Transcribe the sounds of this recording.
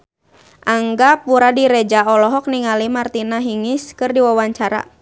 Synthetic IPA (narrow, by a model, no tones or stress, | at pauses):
ʔaŋɡapuɾadiɾɛd͡ʒaɔlɔɦɔk̚niŋalimart̪inaɦiŋɪskɨrdiwawaɲt͡ʃaɾa̰